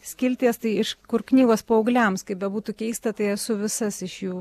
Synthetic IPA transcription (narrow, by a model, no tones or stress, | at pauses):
sʲkʲɪlʲt̪ʲiɛst̪ɐɪɪʃkʊɾknʲiːɡoːspoːɐʊɡlʲɛmskɐɪbʲɛbuːt̪uːkʲɛɪst̪ɐt̪ɐɪɐsʊʋʲɪsɐsɪʃjuː